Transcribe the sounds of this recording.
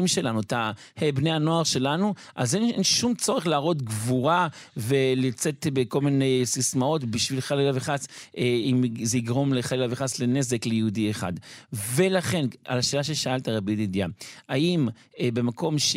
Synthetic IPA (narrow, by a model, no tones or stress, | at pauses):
imʃe̞lanut̪a | hebnejhano̞aʁʃe̞lanuʔazenenʃumt͡so̞ʁeχlaːʁo̞t̪ɡvuʁave̞lit͡se̞t̪beko̞lminesismao̞tbiʃvilχalelaveχaseimzeiɡʁo̞mleχalelaveχaslene̞zeklejeudieχa̰d̪ve̞laχe̞nʔa̰laʃeːlaʃ̬eʃaaltaʁabididjaaim | be̞mako̞mʃ